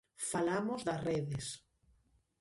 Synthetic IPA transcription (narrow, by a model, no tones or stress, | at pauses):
falamozðasreðes